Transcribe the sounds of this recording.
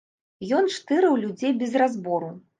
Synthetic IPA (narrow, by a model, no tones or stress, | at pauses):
jɔnt͡ʂt̪ɨɾɨwlʲud͡zʲejbʲɛzrɾazbɔɾu